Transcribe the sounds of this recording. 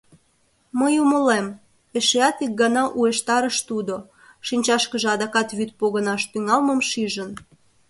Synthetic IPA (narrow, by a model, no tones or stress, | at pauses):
məjuməlem | eʃeɑt̪ik̚ɡɑnɑʔueʃt̪ɑɾəʃt̪ud̪o | ʃinʲt͡ɕɑʃkəʒeɑd̪ɑkɑt̪βyt̪̚poɣənɑʃt̪yŋɑlməmʃiʒən